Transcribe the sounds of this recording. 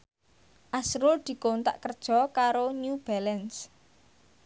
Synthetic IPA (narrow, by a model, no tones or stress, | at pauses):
ʔasɾʊld̪̥i̤kont̪a̰ʔkərd̥ʒ̥ɔ̤kaɾoɲub̥alɛns